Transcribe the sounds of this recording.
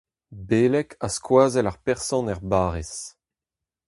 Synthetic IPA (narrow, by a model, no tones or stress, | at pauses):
beːlɛkʰaskwaːzɛlaʁpɛʁsɔ̃nɛʁbaːʁes